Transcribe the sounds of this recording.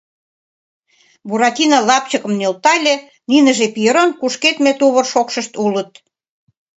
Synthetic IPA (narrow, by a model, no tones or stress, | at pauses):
buɾɑt̪ʲinɑlɑp̚t͡ɕəkə̆mnølt̪ɑlʲe | ninəʒepijəɾonkuʃket̪met̪uβə̆rʃokʃə̆ʃt̪ulət̪̚